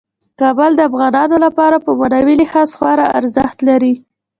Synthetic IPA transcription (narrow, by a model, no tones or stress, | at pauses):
kɑbəld̪əafɣɑnɑnolapɑɾapəmanɑwilihɑsxwɑɾaa̰ɾzəxt̪laɾi